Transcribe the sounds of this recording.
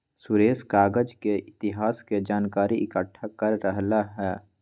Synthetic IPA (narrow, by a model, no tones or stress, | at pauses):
sʊɾeːskaːɡəd͡ʒkeɪt̪ɪɦaːsked͡ʒaːnkaːɾiɪkəʈʰːakəɾːəɦlaɦɛː